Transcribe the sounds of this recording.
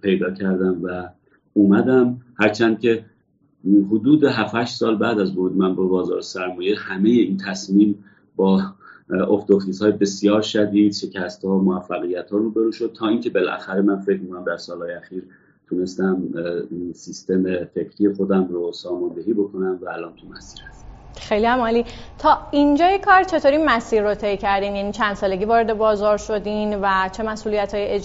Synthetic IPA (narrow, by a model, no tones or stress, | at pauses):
pʰe̞jd̪ɒːcʰæɾd̪æmvæ | uːmæd̪æmhæɾt͡ʃʰænd̪̚cʲʰe̞ | ɦod̪uːd̪e̞ɦæfæʃt̪sɒːlbæːd̪æzvoɾuːd̪emænbebɒːzɒ̰ːɾsæɾmɒːjehæme̞je̞int̪ʰæsmiːm | bɒː | ʔofd̪oxt̪iːshɒːjebe̞sijɒːɾʃæd̪iːd̪̥ʃe̞cʰæst̪hɒːmoæfːæɣijæt̪hɒːɾuːbe̞ɾuːʃo̞d̪̚t̪ʰɒːiːŋcʰe̞be̞lʔæ̰xæɾe̞mænfe̞cɾmikʰonæmd̪æɾsɒːlhɒːjeæxiːɾ | t̪ʰune̞st̪æm | sist̪e̞mefe̞cʰɾijexod̪æmɾosɒːmɒnd̪e̞ɦiːbokʰo̞næmvæːlɒːnt̪ʰumæsiːɾhæst̪ | xe̞jliæmɒːliːt̪ʰɒːind͡ʒɒːjekʰɒːɾt͡ʃʰe̞t̪ʰoɾiːmæsiːɾːot̪ʰe̞jcʰæɾd̪iːmjæniːt͡ʃʰænd̪̥sɒːleɟiːvɒːɾed̪e̞bɒːzɒːɾʃo̞d̪invæt͡ʃʰe̞mæsʔuːlijæt̪ʰhɒːjee